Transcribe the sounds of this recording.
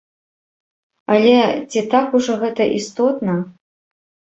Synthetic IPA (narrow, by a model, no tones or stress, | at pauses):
ɐlʲɛt͡sʲit̪akuʐɔɣɛt̪ɐʔist̪ɔt̪nɐ